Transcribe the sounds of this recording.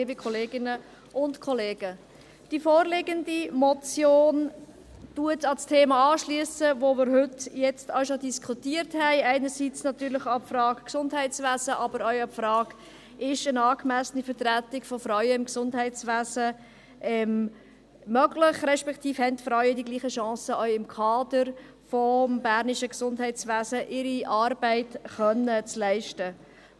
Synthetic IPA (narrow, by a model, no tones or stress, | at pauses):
bikʰɔleːɡɪnə | ʔʊntkʰɔleːɡ̥ə | d̥ifɔːɾlɪɡəndimɔt͡sjoːn | tuətɑlstʰeːmɑɑːʃliəsəʋomɪɾɦʏtjɛt͡stɑʊʃodiskʰutiəɾthɛɪæɪnəɾsit͡snɑt̪yːɾləχɑpfɾɑːkksʊndɦɛɪt͡sʋæːsəʔɑbəɾœɥɑpfɾɑːk | ʔɪʃənɑːkmæsənifəɾtɾætɪkfɔfɾœɥəɪmksʊndɦɛɪt͡sʋæːsə | ɛm | mœɡlɪχrɛʃpɛktʰiːfhɛntfɾœɥədiɡliːχəʃɑ̃ːsəʔœʏɪmkʰɑːdəɾ | fɔmbæːɾniʃəksʊndhɛɪtt͡sʋæːzəʔɪɾiʔɑːɾbɛɪtχœnət͡slɛɪʃtə